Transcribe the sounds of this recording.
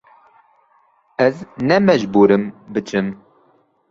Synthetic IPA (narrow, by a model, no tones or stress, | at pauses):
ɛznɛmɛʒbuːɾɨmbɨt͡ʃɨm